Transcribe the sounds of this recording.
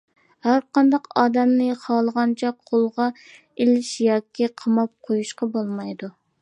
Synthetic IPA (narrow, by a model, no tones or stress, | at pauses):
hæɾqʰɑnd̪ɑqɑːd̪ɛmnɨχɑːlˠəʁɑnt͡ʃʰɛqʰolˠʁɑ | elɪʃjɑːkʲʰiqʰɑmɑp̚qʰojuʃqɑbolˠmɑjd̪u